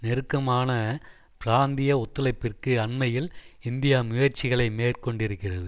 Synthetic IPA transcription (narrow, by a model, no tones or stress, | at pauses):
nɛɾɯkːɐmaːnɐ | pɪɾaːnd̪ɪjɐɔt̪ːɯlɐɪpːɪrkɯɐɳmɐjɪlɪnd̪ɪjaːmʊjɐɾt͡ʃɪɣɐɭɐɪmeːrkɔɳɖɪɾɯkːɪrɐðɯ